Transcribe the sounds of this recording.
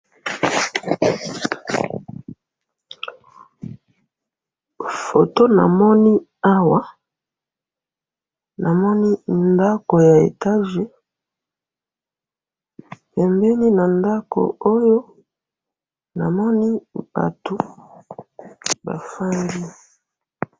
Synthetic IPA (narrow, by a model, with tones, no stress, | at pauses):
fo˨to˦na̰˨mɔ˦ni˦ | a˦wa˦ | na˨mɔ˦ni˦nda˦ko˨ja˨ḛ˨ta˦ʒe˨ | pɛ˨mbɛ˦ni˦na˨nda˦ko̰˨o˦jo˦ | na˨mɔ˦ni˦b̥a̰˨to˨ | ba̰˨fa˦ndi˦